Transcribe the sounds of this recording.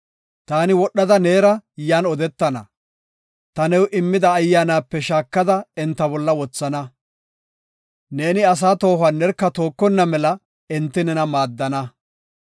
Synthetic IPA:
t̪aːnɪwɔɗːɐd̪ɐne̞ːɾɐjaːnɔd̪ɛt̪ːɐnɐ̰ | t̪ɐnɛwʔɪmːɪd̪ɐːjːaːnaːpːɛʃaːkːɐd̪ɐɪnt̪ːɐbɔlːɐwɔt͡sːɐnɐ | ne̞ːnɪɐs̬aːt̪o̞ːhɐnːɛɾkːɐt̪o̞ːkːɔnːɐmɛlɐ | ɪnt̪ːɪnɛnɐmaːd̪ːɐnɐ

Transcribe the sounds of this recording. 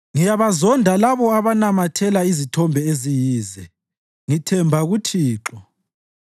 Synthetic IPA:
ŋijaβazɔndʱalaβɔaβanamatʰɛlaizitʰɔmbʱɛezijiːzɛ | ŋitʰɛmbʱaɣutʰiːǁɔ

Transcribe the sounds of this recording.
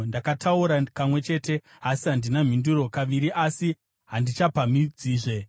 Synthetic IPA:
ndakatʰauɾakamwe̞t͡ʃe̞ːte̞ | asiɦandinam̤induɾo̞kaʋiɾiʔasi | ɦandit͡ʃapamid͡ziːʐe̞

